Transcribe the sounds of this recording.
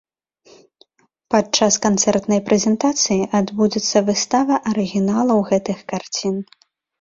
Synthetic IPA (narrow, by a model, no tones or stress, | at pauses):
pat͡ʂaskant̪sɛrt̪nɐjpɾʔɛzʲɛnt̪at̪sɨjiʔad̪bud͡zʲɛt̪sːɐvɨst̪avɐʔɐɾɨɣʲinalˠɐwɣɛt̪ɨxkart͡sʲin